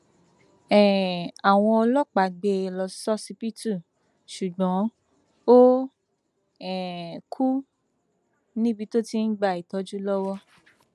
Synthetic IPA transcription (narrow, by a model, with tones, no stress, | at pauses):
ɛ˨a˨w̃ɔ̃˧ɔ˧lɔ˦k͡pa˨ɡ͡be˧lɔ˧sɔ˦si˧pi˦tu˦˨ | ʃu˨ɡ͡bɔ̃˨˦ | o˦ | ɛ˨kʰu˦ | nĩ˦bi˧to˦ti˦n̩˦ɡ͡ba˧˨i˨tɔ˧˦d͡ʒu˦lɔ˦wɔ˦